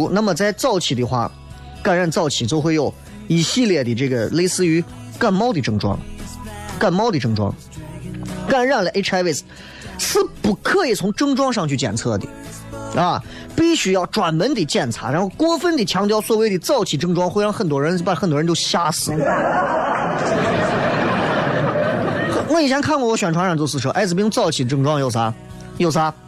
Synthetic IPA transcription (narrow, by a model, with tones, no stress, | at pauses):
u˧˥na˥˩mə˩t͡sa˥˧ɪt͡sɑ˥˩ʊt͡ɕʰi˨˩d̪ə˨˩xwa̰˥˩ | ka˥˩nɻa˥˧nt͡sɑ˥˩ʊt͡ɕʰi˨˩t͡ɕjo˥ʊxwe˥˧ɪjo˧˩ʊ | i˧˥ɕi˥˧ljɛ˥˩d̪ə˩ʈ͡ʂɤ˥˩ɡə˩le˥˧ɪsɹ̩˥˩y˧˥ | ka˥˩nmɑ˥ʊd̪ə˨˩ʈ͡ʂɤ˥˩ŋʈ͡ʂwɑ̰˥ŋ | ka˥˩nmɑ˥ʊd̪ə˨˩ʈ͡ʂɤ˥˧ŋʈ͡ʂwɑ̰˥ŋ | ka˥˧ɻɑ˥˩nlʔe˥ɪʈ͡ʂʰa˧˥ɪe˥˩s | sɹ̩˥pu˨˩kʰɤ˥˧i˥˩t͡sʰʊ˧˥ŋʈ͡ʂɤ˥ŋʈ͡ʂwɑ˥ŋʂɑ˥˧ŋt͡ɕʰy˥˩t͡ɕjɛ̰˨˩nt͡sʰɤ̰˥˩d̪ḭ˨˩ | ɐ˧˩ | pi˥˩ɕy˥jɑ˥˩ʊʈ͡ʂwa˨˩nmə˧˥nt̪i˨˩t͡ɕjɛ˥˩nt͡sʰa̰˧˥˩ɻa˧˥nxo˥˧ʊkwɔ˥fə˥nt̪i˨˩t͡ɕʰjɑ˧˥ŋt̪jɑ˧ʊswɔ˥˩we˧˥ɪd̪i˨˩t͡sɑ˥˩ʊt͡ɕʰi˨˩ʈ͡ʂɤ˥˧ŋʈ͡ʂwɑ˥ŋxwe˥˧ɪɻɑ˥˩ŋxə˨˩nt̪̬wɔ˥ɻə˧˥n˥˩pa˨˩xnt̪wɻt͡ɕo˥˧ʊɕja˥sɹ̩˨˦ | xnɔ˥˩i˨˩t͡ɕʰɛ˧˥nkʰa˥˧nkwɔ˥˩wɔ˧˥ɕɥɛ˨˩nʈ͡ʂʰa˧˥ʂɑ˥˧t͡ssɹ̩˧˩ʂʔa̰˧˥d͡zɹ̩˩pi˥t͡sɑ˥˩ʊt͡ɕʰi˨˩ʈ͡ʂɤ˥˧ŋʈ͡ʂwɑ˥ŋjo˥˩ʊt͡sʰa˧˥ | jo˥˩t͡sʰa˧˥